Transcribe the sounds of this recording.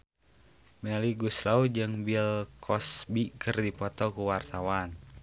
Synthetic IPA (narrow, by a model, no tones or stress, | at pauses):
mɛliɡuslaud͡ʒɨŋbilkʰɔsbikɨrdipɔt̪ɔkuwart̪awan